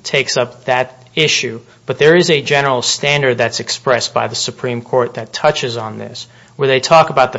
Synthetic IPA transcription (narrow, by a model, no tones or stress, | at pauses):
tʰeɪksʌp̚ðɨɾ | ɪʃʉ | b̥ʌt̪̚ðə˞ɨzɨd͡ʒɛnə˞l̩ˠstæ̃ndə˞d̪̚ðɨtsɨkspɹɛsb̥aɪðɨsɨpʰɹ̥ĩmkʰɔɹt̪̚ðɨtʰʌt͡ʃɨzn̩ðɪ̰s | wə˞ðeɪtʰɔkəbaʊt̪̚ðə